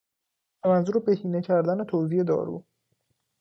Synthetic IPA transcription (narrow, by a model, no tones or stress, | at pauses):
æmænzuːɾebe̞hiːne̞cʰæɾd̪æne̞t̪ʰoziːje̞d̪ɒ̰ːɾṵː